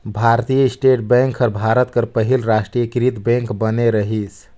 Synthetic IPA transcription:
bʱaɾt̪ijəisʈeʈbɛ̃ŋkʰəɾbʱaɾət̪kəɾpəɦilɾasʈɾijəkɾit̪bɛ̃ŋkbəneɾəɦisʰ

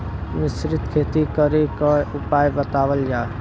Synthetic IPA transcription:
mɪsɾɪt̪kʰeːt̪ikəɾekaʊpaːjbət̪aːwəld͡ʒaː

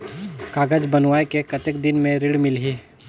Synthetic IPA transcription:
kaːɡəd͡ʒbɐnʋaːekekɐt̪ekd̪ɪnmẽɾɪɽmɪlɦiː

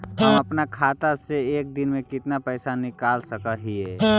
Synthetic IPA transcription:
ɦəmɐpnakʰaːt̪aseeːk̚d̪ɪnmẽkɪt̪napɛɪsanɪkaːlsəkəɦiɛ

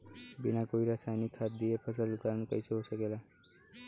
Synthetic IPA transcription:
binakoiɾasajnikʰːat̪̚d̪iepʰəsəlukankə̰jt͡ʃʰəɦosəkela

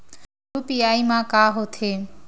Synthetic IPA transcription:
ɾupiaːimãːkaːɦoːt̪ʰeː

